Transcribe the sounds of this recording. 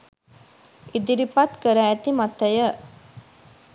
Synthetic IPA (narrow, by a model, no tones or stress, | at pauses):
id̪iɾipat̪kəɾæːt̪imat̪əjə